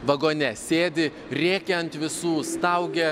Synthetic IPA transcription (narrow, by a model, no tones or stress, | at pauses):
ʋɐɡoːnʲɛsʲeːd̪ʲɪ | ɾʲeːkʲɛɐnt̪ʋʲɪsuːst̪ɐʊɡʲɛ